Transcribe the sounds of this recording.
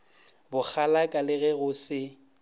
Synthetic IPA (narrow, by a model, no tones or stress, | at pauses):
bʊk͡xʰalakʼalɪɣɛɣʊsɪ